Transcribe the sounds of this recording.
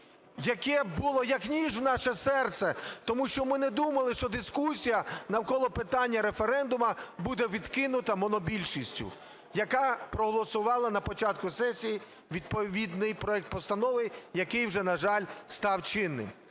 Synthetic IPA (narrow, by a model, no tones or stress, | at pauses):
jɐkɛbʊlˠɔjɐknʲiʒwnɑʃɛsɛrt̪sɛt̪ɔmuʃt͡ʃɔmɪnɛd̪umɐlˠɪʃt͡ʃɔd̪ɪskusʲijɐnɐwkɔlˠɔpɪt̪ɑnʲːɐɾefeɾɛnd̪ʊmɐbud̪ɛʋʲid̪kɪnʊt̪ɐmɔnɔbʲilʲʃisʲtʲʊ̰ | jɐkɑpɾɔɦɔlˠɔsʊʋɑlˠɐnɐpɔt͡ʃɑt̪kʊsɛsʲiji | ʋʲid̪̚pɔʋʲid̪nɪjpɾɔɛk̚t̪̚pɔst̪ɐnɔʋɪjɐkɪjwʒɛnɐʒɑlʲst̪ɑwt͡ʃɪnːɪ̰m